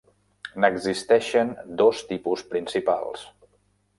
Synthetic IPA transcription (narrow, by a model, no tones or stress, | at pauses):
nəɡzist̪ɛʃənd̪ost̪ipuspɾinsipa̰lˠs